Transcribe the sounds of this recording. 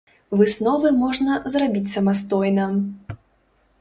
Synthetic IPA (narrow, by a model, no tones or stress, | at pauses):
vɨsnɔvɨmɔʐnɐzrabʲit͡sʲsɐmast̪ɔjnɐ